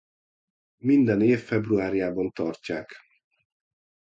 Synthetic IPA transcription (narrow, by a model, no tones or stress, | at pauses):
mind̪ɛneːfːɛbruaːɾjaːbɒnt̪ɒrcːaːk